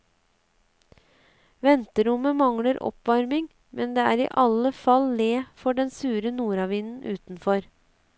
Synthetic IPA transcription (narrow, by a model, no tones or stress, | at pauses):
ʋɛnt̪əɾʊməmɑŋləɾʔɔ̰pʋɑɾmɪŋ | mʔɛnd̪eːæːɾḭːʔɑləfɑlleːfɔɖɛnsʉːɾənuːɾɑʋiːnn̩ʔʉ̰ːt̪n̩fɔɾ